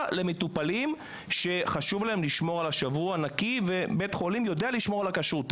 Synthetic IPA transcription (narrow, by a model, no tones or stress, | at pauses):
le̞metupalim | ʃe̞χaʃuvlaemliʃmo̞ʁalaʃavuaːnakivebe̞tχo̞limjo̞de̞aliʃmo̞ʁalakaʃut